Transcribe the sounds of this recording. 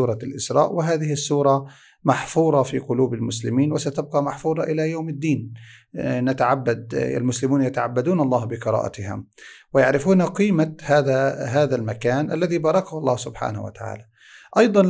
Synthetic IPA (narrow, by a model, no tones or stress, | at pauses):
uːɾˤɑlʔɪsɾˤɑ̰ːʔwɪɦaːðɪhɪsːuːɾˤɑ | maħfuːɾˤɑfiːqʊluːbalmʊslɪmiːnwɪsat̪ab̚qɑmaħfuːɾˤɑʔɪlajawmɪd̪ːiːn | nat̪aʕabːad̪̚a̰lmʊslɪmuːnjat̪aʕabːad̪uːnɑlˤːɑːhbɪqɨɾˤɑ̰ːʔa̰t̪ɪhɪ̰mwɪjaʕɾɪfuːnaqiːmahaːðaɦaːðalmakaːnʔalːaðibɑːɾˤɑkahʊlˤːɑːhsʊbħa̰ːnahwa̰t̪aʕa̰ːla | ʔɑjd̪ˤɑn